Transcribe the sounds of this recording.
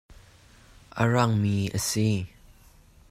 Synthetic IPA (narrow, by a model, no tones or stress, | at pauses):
ʔə̰ɹaŋmiːʔəsi